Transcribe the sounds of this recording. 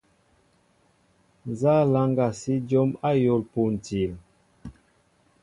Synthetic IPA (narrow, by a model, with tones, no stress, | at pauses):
n˨za˦la˦ŋɡa˨si˦d͡ʒɔ˦ma˦jo˦˨lpu˨n̩˨ti˨l